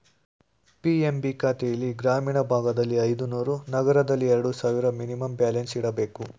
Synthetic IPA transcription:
piembikaːt̪ejɐliɡɾaːmiːɳɐbʱaːɡɐd̪ɐlːiɐjd̪unuːɾunɐɡɐɾɐd̪ɐlːiɛɾɐɽusaːʋiɾɐminimɐmbjaːlensiɽɐbe̞ːku

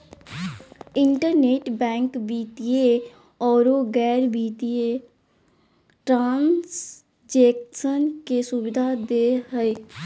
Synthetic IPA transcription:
ɪ̃ɳʈəɾneːʈbɛ̃ːŋkbiːt̪ie | ɔːɾoːɡɛːɾbiːt̪ie | ʈɾãːns | d͡ʒɛːksənkesʊbɪd̪ʱad̪eːɦəeː

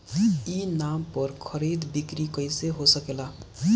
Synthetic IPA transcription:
inampəɾkʰəɾid̪bikɾikəjseɦosəkela

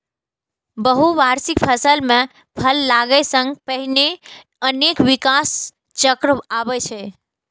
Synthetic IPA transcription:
bəɦuʋaɾsikpʰəsəlme | pʰəlːaɡəsəŋɡpəɦine | ənekʋikas | t͡ʃəkɾəabɛt͡ʃʰɛ

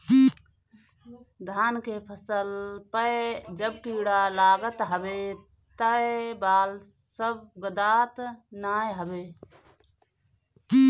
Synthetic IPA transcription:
ki | d̪ʱaːnkepʰəsəlpəd͡ʒəb̚kiːɽalaːɡət̪ɦəbe | t̪əbaːl | səb̚ɡəd̪aːt̪naːjɦəbe | ki

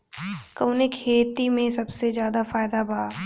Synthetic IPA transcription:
kɐwnekʰeːt̪imẽsɐbsezjaːd̪afaːɪd̪abʱaa

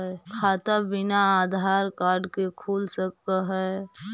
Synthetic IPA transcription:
kʰaːt̪abɪnaaːd̪ʱaːɾkaːɾɖkekʰuːlsəkːaɦɛː

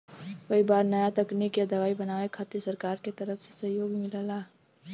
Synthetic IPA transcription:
kɐibaːɾnɐjat̪ɐknikeɐd̪ɐʋaːibɐnaːekʰaːt̪isəɾkaːɾket̪ɐɾəfse̥sɐɦjoːɡmɪlalaː

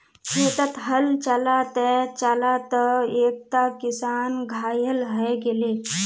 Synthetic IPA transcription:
ʃeːt̪ət̪ɦəlt͡ʃəlat̪ət͡ʃalat̪əeːk̚t̪akɪsaːnɡʱaːjəlɦɛɡele

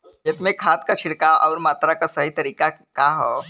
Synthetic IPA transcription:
jet̪umekʰat̪kat͡ʃʰiɽkaʔɔwɾmat̪ɾakasəɦit̪əɾiːkakaɦɔ

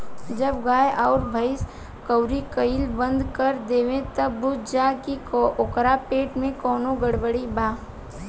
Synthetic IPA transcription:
d͡ʒɐbɡaːjʔɔːɾbʱəɪs | kəʊɾikəɪlbə̃nd̪kəɾd̪eːʋẽt̪ɐbːʊd͡ʒaːkiokɾapeːʈmẽkɔːnoɡəɽbəɽibaː

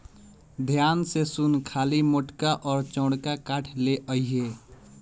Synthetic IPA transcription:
d̪ʱjaːnsesunkʰaːlimoʈkaʔɔːɾt͡ʃɔ̃ːɽkakaːʈʰleʔəiɦe

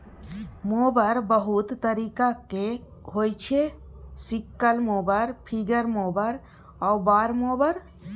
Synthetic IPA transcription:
mobəɾbəɦut̪ːəɾikake | ɦojt͡ʃʰesikːəlmobəɾpʰiɡəɾmobəɾ | aubaɾmobəɾ

